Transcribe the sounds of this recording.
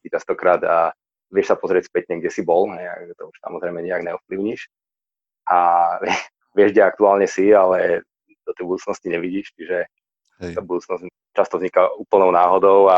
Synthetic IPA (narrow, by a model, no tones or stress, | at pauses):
tit͡ʃast̪ɔkɾaːd̪a | ʋɪɛʃsapɔzɾɪɛcspɛt̪ɲɛɡɟɛsibɔlɦɛja̰kt̪ɔuʃsa̰mɔzɾɛɪmɛɲɛaɡɲɛɔfpliʊɲiʃ | ʔaɛ | ʋɪɛʒɟɛakt̪uaːlɲɛsialɛ | d̪ɔt̪ɛjbud̪uːt͡snɔsciɲɛʋiɟiːʃt͡ʃiʒɛ | abud̪uːt͡snɔz | t͡ʃast̪ɔvzɲikauːpl̩nɔʊnaːɦɔd̪ɔʊa